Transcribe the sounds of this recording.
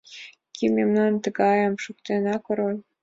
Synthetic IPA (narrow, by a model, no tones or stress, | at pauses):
kʲimʲemnɑnt̪əɡɑjəmʃukt̪enɑkoɾolʲ